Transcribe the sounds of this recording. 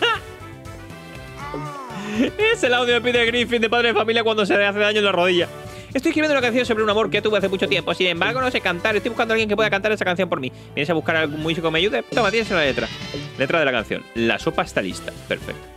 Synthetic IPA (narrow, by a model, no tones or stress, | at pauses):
ese̞lawðjop̬iðeɣɾifind̪epaðɾeefamiljakwand̪o̞s̬eaθeðaɲonlaroðiʝa | est̪ojekɾiβjenunakanθjonso̞βɾeunamo̞ɾkeot̪uβeaθe̞mut͡ʃoje̞mpo̞sinẽ̞mbaɾɣo̞nose̞kant̪aɾest̪ojβukandoalɣjeŋkepweðakant̪aɾesakanθjompoɾmĩ | b̥jenesaβukaɾalɣuŋmus̬ikomeaʝuðet̪omat̪jes̬elale̞t̪ɾale̞t̪ɾaðe̞laka̰n̟θjo̰nla̰so̞paest̪alḭst̪ḁpe̞ɾfḛk̚t̪o̥